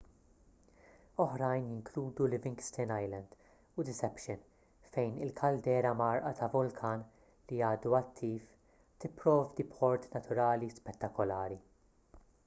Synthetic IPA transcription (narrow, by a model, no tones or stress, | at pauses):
ɔħɾɐjnjɪŋkluːd̪ulɪvɪ̃ŋɡst̪ɛnɐjlɐnd̪̥ | ʊd̪ɪsɛpʃɪn | fɛjnɪlkʰɐld̪ɛːɾɐmɐɾʔɐt̪ɐvʊlkʰɐːn | liɐːd̪uɐt̪ʰːiːf | t̪ɪpːɾɔːvd̪ipʰɔɾt̪nɐt̪ʊɾɐːlispɛt̪ːɐkɔlɐːɾi